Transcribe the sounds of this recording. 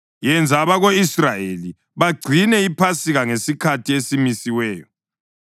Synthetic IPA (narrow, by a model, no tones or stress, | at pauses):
jɛnd͡zʱaβaɣoisrajeli | βaɡ͡ǀʱinɛipʰasiɣaŋesikʰatʰiesimisiwɛːjɔ